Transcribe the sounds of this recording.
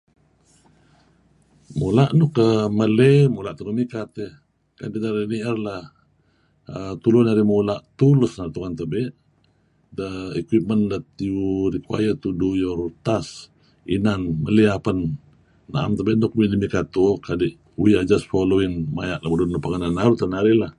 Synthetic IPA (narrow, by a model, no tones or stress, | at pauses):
mulaʔnuhkəməlemulaʔt̪unumikat̪e | ka̰dinaɾiniərlah | ət̪ulunaɾimulaʔt̪ulusnaɾt̪uŋant̪əbɛʔ | dəikwip̚məndat̪iuɾikua̰jət̪udujoɾut̪as | ḭnanmə̰liapənː | a̰ʔa̰mt̪əbeʔnokumidimikat̪ukadiʔ | uiad͡ʒasfoloiŋmajaʔlamədunːopəŋənanaɾut̪ənaɾila